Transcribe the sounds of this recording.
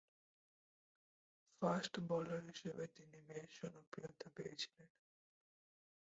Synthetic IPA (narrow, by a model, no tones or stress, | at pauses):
fasʈbɔloɾɦiʃebet̪inimeʃɔnopɾijot̪apejet͡ɕʰi̥len